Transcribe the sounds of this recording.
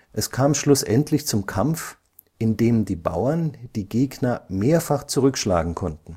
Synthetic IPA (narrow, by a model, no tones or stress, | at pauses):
ʔɛskʰaːmʃlʊsʔɛntʰlɪçt͡sʊmkʰamf | ʔɪndeːmdiːba̰ʊɐnd̥iːɡeːɡnɐmeːɐfaχt͡suʁʏkʃla̰ːɡŋ̩kʰɔntn̩